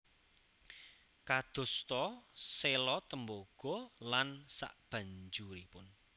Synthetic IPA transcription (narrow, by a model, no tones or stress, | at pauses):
kad̪̥o̤st̪ɔselɔt̪əmboɡ̥ɔ̤lansa̰ʔb̥ä̤ɲd͡ʒuɾipʊn